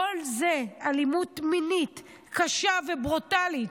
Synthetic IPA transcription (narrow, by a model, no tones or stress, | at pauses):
olzealimutminit | kaʃavebʁutalit